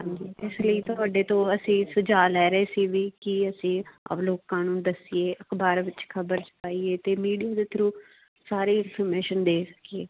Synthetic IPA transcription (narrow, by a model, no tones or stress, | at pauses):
d͡ʒeɪsləiːt̪ʊaːɖeːt̪õːəsĩːsʊd͡ʒaːlɛːɾeːsiːʋiːkɪəsĩːə̰ːploːkːaːnuːnd̪əsieːʔəkbaːɾʋɪt͡ʃkʰəbəɾt͡ʃpaːiːeːt̪eːmiːɖijaːd̪eːt̪ʰəɾũː | saːɾeːɪnpʰəɾmeːʃənd̪eːsə̥kieː